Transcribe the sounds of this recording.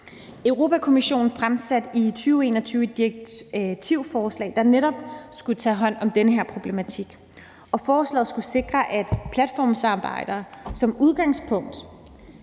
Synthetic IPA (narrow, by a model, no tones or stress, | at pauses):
øʊʁo̝ːpʰækʰo̝miɕo̝̰ːn̩fʁamsæd̥it͡sʰyːʊe̝̰ːnɒt͡sʰyːʊəd̥ieɡ̥̚t͡sʰiʊ̰fɒːslɛ̰ːd̥ɑ̈neɾɒ̽b̥sɡ̥ut͡sʰɛ̰ːɦɒ̽n̰ɒ̽md̥enəɦeɐ̰pʰʁo̝b̥le̝mæt͡sʰiɡ̥ | ɒ̽fɒːslɛ̰ːð̩ˠsɡ̥use̝ɡ̥ʁɐʔæd̥pʰlæd̥fɒ̰ːmsɑ̈ːb̥ɑ̈ɪ̰d̥ɐːsɒ̽muð̞ˠɡ̥ɑ̈ŋspʰɔ̽ŋ̰d̥